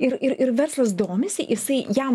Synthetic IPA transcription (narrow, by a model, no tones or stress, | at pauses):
ɪɾɪɾɪɾʋʲɛɾslˠɐs̬d̪oːmʲɛsʲɪjɪsɐɪjæm